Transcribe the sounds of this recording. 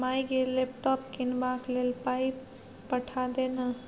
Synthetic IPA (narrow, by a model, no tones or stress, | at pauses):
majɡelepʈɔp̚kinbaklelpajp | pəʈʰad̪enə